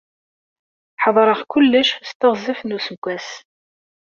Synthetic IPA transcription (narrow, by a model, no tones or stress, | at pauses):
ħəðˤɾˤəʁkʊlːəʃst̪əʁzˤəfnusəkʷːæs